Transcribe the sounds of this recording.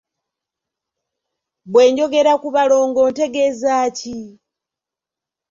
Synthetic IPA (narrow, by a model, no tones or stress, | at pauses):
βwe̞ːɲɟo̞ɡe̞ɾakuβalo̞ːŋɡo̞nte̞ɡezaːci